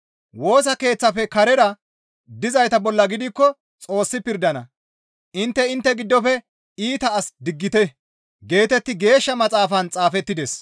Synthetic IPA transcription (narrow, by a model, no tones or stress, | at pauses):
wo̞ːs̬ɐke̞ːt͡sːɐfɛkɐɾɛɾɐ | d̪ɪzɐjt̪ɐbɔlːɐɡɪd̪ɪkːɔ | t͡sʼo̞ːsːɪpɪɾd̪ɐnɐ | ʔɪnt̪ːɛɪnt̪ːɛɡɪd̪ːɔfɛ | iːt̪ɐːsd̪ɪɡːɪt̪ɛ | ɡe̞ːt̪ɛt̪ːɪɡe̞ːʃːɐmɐt͡sʼaːfɐnt͡sʼaːfɛt̪ːɪd̪ɛs